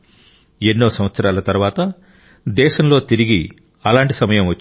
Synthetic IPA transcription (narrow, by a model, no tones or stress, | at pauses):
enːo̞ːsɐmʋɐt̪sɐɾaːlɐt̪ɐɾuʋaːt̪ɐ | d̪ɛːʃɐmlo̞ːt̪iɾiɡi | ɐlaːɳʈisɐmɐjɐmʋɐt͡ʃː